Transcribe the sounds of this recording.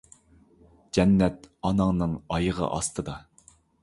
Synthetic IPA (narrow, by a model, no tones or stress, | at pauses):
d͡ʒɛnːɛt̪̚ɑnɑŋnɨŋɑjəʁɑ̰ʔɑst̪ʰɨd̪ɑ